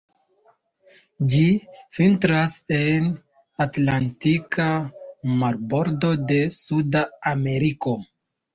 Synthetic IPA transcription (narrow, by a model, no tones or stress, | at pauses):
d͡ʒifintɾase̞n | atlantikamaɾbo̞ɾdo̞de̞sudaːme̞ɾiko̞